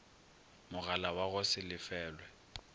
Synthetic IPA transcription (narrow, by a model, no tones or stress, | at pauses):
mʊɣalawaɣʊsɪlɪfɛːlwɛ